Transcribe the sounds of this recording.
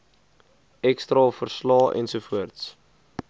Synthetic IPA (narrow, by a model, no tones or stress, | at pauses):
ɛkstɾɑːfərslɑːʔɛ̰nsufuərts